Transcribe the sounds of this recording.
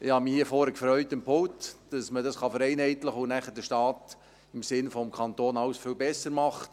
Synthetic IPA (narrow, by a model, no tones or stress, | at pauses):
ɪhɑmihiːfɔɾəkfɾœʏtəmpʰʊltd̥ɑsmədɑsχɑfəɾɛɪnhɛɪtləχʊnæχəd̥əʃtɑːt | ɪmsɪnfɔmkʰɑnt̪oːnɑwsfʏlbɛsəɾmɑχt